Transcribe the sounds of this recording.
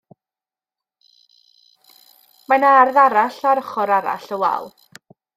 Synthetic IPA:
manarðaɾaɬaɾəχɔɾaɾa̰ɬəwɛ̰lˠ

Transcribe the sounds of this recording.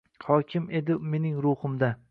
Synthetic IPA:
hɒkʲʰɪme̞d̪ɪme̞nɪŋɾʊhʊmd̪a

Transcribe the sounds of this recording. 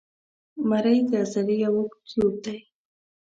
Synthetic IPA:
maɾajt̪aːsaɾɪjawʊkt͡ʃɪwt̪aj

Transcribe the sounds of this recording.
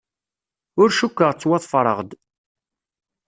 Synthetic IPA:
ʊɾʃukːəʁt͡sːwɑðˤfɾˤə̰ʁd̪

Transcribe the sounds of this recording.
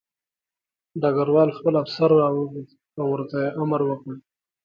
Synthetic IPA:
ɖaɡaɾwɑlxpəlafsaɾɾɑwəɡi | awːəɾt̪ajeʔaməɾwəkɽi

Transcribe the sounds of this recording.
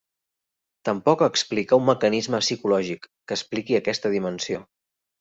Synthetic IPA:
t̪əmpɔkəksplikaumːəkənizməsikulɔʒikːəsplikiəkɛst̪əðimənsio

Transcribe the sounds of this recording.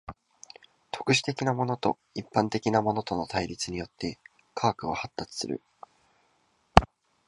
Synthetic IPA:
t̪o̞̥kɯ̟ɕi̥t̪e̞kʲinamo̞no̞t̪o̞̰ | ipːãnt̪e̞kʲinamo̞no̞t̪o̞no̞t̪aiɾʲit͡sɨɲ̟ijo̞t̪ːe̞ | kʰaːkɯ̟ohat̪ːat͡sɨ̥sɨ̰ɾɯ̟̰

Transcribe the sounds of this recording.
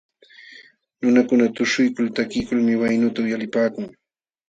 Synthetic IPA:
nʊnakʊnat̪ʊʃʊjkʊlt̪akɪjkʊlmɪwajnʊt̪aʊjalɪpaːkʊŋ

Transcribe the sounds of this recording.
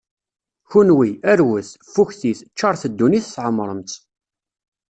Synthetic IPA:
çunwiæɾwəθfuçθiθt͡ʃːɑɾˤθəd̪ːuniθsʕəmːɾˤəmt̪

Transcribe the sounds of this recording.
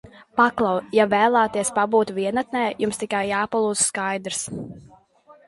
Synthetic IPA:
paklˠawjavɛːlˠaːt̪iɛspabuːt̪vʲiɛnat̪nɛːjumst̪ikajːaːpalˠuːz̥skajd̪ɾs

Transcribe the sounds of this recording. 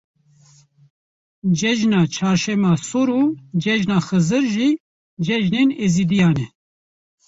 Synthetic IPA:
d͡ʒɛʒnaːt͡ʃʰaːɾʃɛmɑːsuɾuːd͡ʒɛʒnaːxɨzɨɾʒiː | d͡ʒɛʒneːneːziːd̪ijɑːnɛ

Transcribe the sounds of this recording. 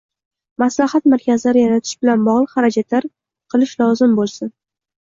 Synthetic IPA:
maslahat̪maɾkʲʰazlaɾɪjaɾat̪ʰɪ̥ʃbɪlanbɒʁlˠɨχaɾad͡ʒat̪laɾ | qʰɨlˠɪʃlɒzɪmbolˠsɪn

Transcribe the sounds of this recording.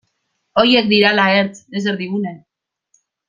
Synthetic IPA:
o̞je̞k̚d̪iɾalaeɾt͡seseɾðiɣune

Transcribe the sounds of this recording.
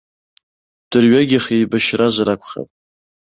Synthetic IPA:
d̥ɨrɥaɡʲɪχijbaʃrazaɾakʷʰχa̰tʼ

